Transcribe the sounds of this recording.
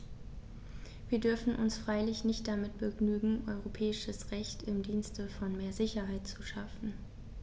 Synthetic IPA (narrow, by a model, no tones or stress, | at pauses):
viːɐdʏɐfn̩ʔʊ̰nsfʁ̥aɪlɪçnɪçt̚d̥amɪt̚b̥əɡnyːɡŋ̩ʔɔʏʁopʰɛːɪʃəsʁɛçtʰɪmdiːnstəfɔnmeːɐzɪçɐɦaɪtt͡suʃafn̩